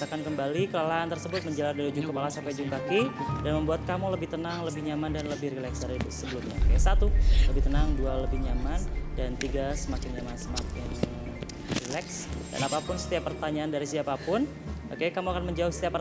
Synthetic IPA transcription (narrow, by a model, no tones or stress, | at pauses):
akankəmbalikəlalaant̪ərsəbʊt̪̚məɲd͡ʒəlardalud͡ʒukkəpalasampajd͡ʒuŋkakidanməmbuat̪̚kamuləbɪht̪ənaŋləbɪhɲamandanləbɪhɾilɛksdaɾisəbəlumɲa̰o̰keasat̪uləbɪht̪ənaŋdualəbɪhɲamandant̪iɡasəmakɪnɲamansəmakɪn | rilɛksda̰napapʊnsə̥t̪iapːərt̪aɲaːndaɾisiapapʊn | okekamuakanməɲd͡ʒaʊhsət̪iapːə